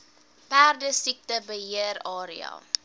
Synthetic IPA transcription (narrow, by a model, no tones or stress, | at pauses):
pæːrdəsik̚təbəɦiərɑːɾiɑ̰